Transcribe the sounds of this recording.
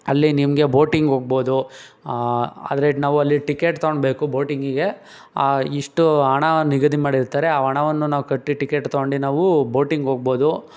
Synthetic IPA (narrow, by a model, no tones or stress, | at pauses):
ɐlːinimɡe̞bo̞ːʈiŋɡɦoːɡ̚bo̞ːd̪u | a̰ːd̪ɾenaːʋuɐlːiʈikeːʈt̪ɐoɳɖbe̞ːkubo̞ːʈiŋɡiɡe̞ | iʂʈuɐɳɐniɡɐd̪imaːɽiɾt̪aːɾeaːɐɳɐʋɐnːunaːʋukɐʈːiʈikeːʈt̪ɐoɳɖinaːʋubo̞ːʈiŋɡɦoːɡ̚bo̞ːd̪u